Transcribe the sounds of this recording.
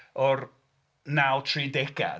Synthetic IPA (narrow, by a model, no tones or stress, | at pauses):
ɔr | nawtʰriːdɛɡa̰